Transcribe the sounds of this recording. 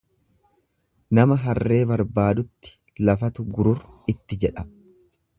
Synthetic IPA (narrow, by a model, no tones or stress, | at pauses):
nɐmɐɦɐrːe̞ːbɐɾbaːd̪ʊt̪ːɪ̥ | lɐfɐt̪ʊɡʊɾʊɾɪt̪ːɪd͡ʒɛᶑɐ